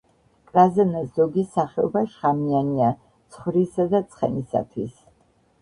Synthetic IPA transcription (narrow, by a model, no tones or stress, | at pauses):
kʼɾazɛnɛszɔɡisaχɛɔbaʃχamiania | tt̪sʰχvɾisad̪at̪sʼʰχɛ̰nisa̰t̪ʰwis